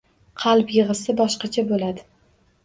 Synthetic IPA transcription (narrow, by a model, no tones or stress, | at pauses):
qʰɑlˠpjɨʁɨsɪbɒʃqɑt͡ʃʰabolad̪ɪ